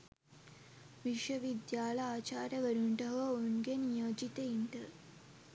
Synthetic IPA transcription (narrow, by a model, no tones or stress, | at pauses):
ʋiʂʋɐʋid̪jaːlɐjaːt͡ʃaːɾɐʋɐɾuɳʈɐɦɐonɡenijɐːd͡ʒit̪ɐiɳɖ̪ɐ